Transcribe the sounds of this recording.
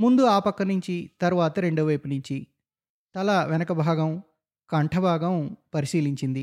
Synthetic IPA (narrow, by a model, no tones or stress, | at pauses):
mund̪uaːpɐkːɐnuɲt͡ʃit̪ɐɾuʋaːt̪ɐɾeɳɖuʋɐjpunuɲt͡ʃi | t̪ɐlɐʋɛnɐkɐbʱaːɡɐm | kɐɳʈʰɐbʱaːɡɐmpɐɾisiːliɲt͡ʃind̪i